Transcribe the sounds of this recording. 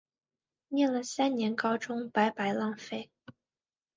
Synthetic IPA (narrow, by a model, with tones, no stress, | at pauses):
njɛ˥˩nlə˩sa˥nnjɛ˧˥nkɑ˥ʊʈ͡ʂʊ˥ŋpa˧˥ɪpa˧˥ɪlɑ˥˧ŋfe˥˩ɪ